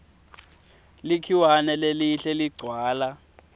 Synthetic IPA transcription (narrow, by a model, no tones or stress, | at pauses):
likʰiwanɛleliɬɛliɡ͡ǀʱwaːla